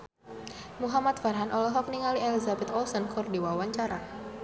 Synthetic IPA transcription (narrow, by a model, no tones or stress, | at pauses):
muɦamat̪̚farɦanʔɔlɛɦɔk̚niŋalielizabɛt̪ɔlsənkʰɔrdiwawaɲt͡ʃaɾa